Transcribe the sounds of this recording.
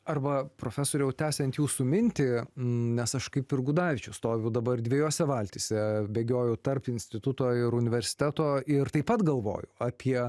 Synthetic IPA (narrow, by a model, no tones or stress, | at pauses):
ɐrbɐpɾoːfʲæsoːɾʲɛʊt̪ʲæːsʲɛnt̪juːsʊmʲɪnʲt̪ʲɪnʲɛsɐʃkɐɪpɪrɡʊd̪ɑːʋʲɪt͡ʃʲɛʊst̪oːʋʲɛʊd̪ɐbɐrd̪ʲʋʲɛjoːsʲɛʋɑːlʲt̪ʲisʲɛbʲeːɡʲoːjɛʊt̪ɐrpɪnʲsʲt̪ʲɪt̪ʊt̪oːɪɾʊnʲɪʋʲɛɾʲsʲɪ̥t̪ʲæt̪oːɪɾt̪ɐɪpɐt̪ɡɐlˠʋo̰ːjʊɐːpʲiɛ